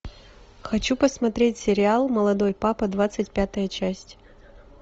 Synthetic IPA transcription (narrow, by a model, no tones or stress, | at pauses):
xɐt͡ɕupəsmɐt̪ɾʲetʲsʲɪɾʲɪalˠməlˠɐd̪o̞jpapɨd̪vat̪sɨtʲpʲat̪əjət͡ɕæsʲtʲ